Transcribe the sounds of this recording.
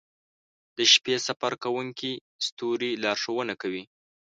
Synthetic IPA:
d̪̥əʃpesafaɾkawuŋki | st̪uɾilɑɾʂowənakawi

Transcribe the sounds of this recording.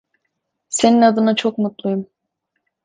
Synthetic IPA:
se̞ninad̪ɯnat͡ʃʰo̞kmut̪lˠujum

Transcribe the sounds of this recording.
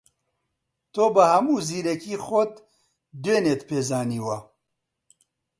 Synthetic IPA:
t̪ʰoːbɐhɐmuːziːɾɐkiːxot̪ | d̪eːneːt̪pʰeːzaːniːwɐ

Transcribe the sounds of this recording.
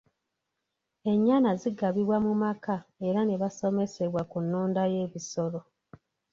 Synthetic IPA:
e̞ɲːaːnaziɡaβiβwamumakae̞ɾaneβaso̞me̞se̞βwakunːoːndaje̞ːβiso̞lo

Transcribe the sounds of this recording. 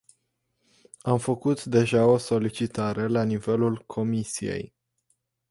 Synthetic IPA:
amfəkut̪d̪e̞ʒao̞so̞lit͡ʃit̪aɾe̞lanive̞lulkʰo̞misije̞̰j

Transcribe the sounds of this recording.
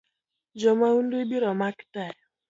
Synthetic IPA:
d͡ʒɔmaundubiɾɔmaki̥taj

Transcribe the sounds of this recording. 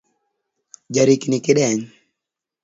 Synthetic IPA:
d͡ʒaɾiknɪkɪɗɛɲ

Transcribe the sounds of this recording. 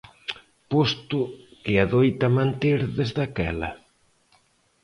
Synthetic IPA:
post̪ʊkɪaðojt̪ɐmãnt̪eɾðezðakɛ̰lɐ̰

